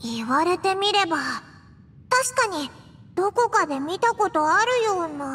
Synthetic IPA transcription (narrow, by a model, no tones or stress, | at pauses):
iβaɾe̞t̪e̞mʲiɾe̞ba | t̪aɕi̥kaɲ̟i | d̪̥o̞ko̞kad̪e̞mʲit̪ako̞t̪o̞aɾɯ̟jo̞ːna